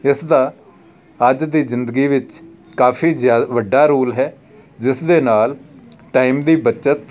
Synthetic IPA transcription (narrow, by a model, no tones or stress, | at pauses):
ɪsd̪aː | əd͡ʒd̪iːzɪnd̪əɡiːʋɪt͡ʃ | kaːfʰiːzjaːʋəɖːaːɾuːlɦɛː | d͡ʒɪsd̪eːnaːlʈaːimd̪iːbət͡ʃət̪